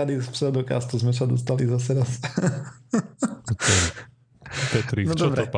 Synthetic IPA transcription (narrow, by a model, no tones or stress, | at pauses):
ad̪ispsɛd̪ɔka̰st̪uzmɛsad̪ɔst̪alizasɛɾas | ɛ | t̪ɛt̪ɾinɔd̪ɔɔbɾɛɔ